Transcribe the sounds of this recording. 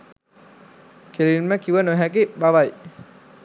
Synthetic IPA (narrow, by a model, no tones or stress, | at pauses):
kʰelinmɛkːiwanɔɦɛk̬iʔbaβaj